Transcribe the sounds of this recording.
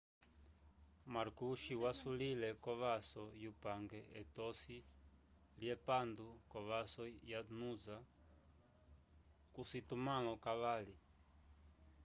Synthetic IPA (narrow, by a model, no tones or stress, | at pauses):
maɾkuʃiwasulilɛkɔβasɔjupaŋɡɛɛtɔsi | ljɛpandukɔβasɔjanuza | kusitumalɔkaβali